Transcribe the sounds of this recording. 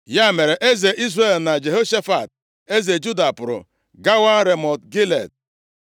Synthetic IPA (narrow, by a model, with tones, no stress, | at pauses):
ja˦˨me˨ɾe˨ʔe˦ze˨ʔi˦z̬re˦˨lna˨d͡ʒe˨ɦo˦ʃa˦fa˨t̚ | e˦ze˨d͡ʒu˦da˨pʊ˨ɾʊ̰˨ | ɡa˦wa˦ɾe˨mɔ˨tɡi˦lḛ˨d̚